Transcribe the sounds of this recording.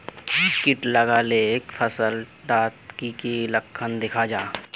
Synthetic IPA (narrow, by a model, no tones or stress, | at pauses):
ɪkɪʈləɡalekpʰəsəl | ɖaːt̪kikiləkʰːənd̪ɪkʰad͡ʒaː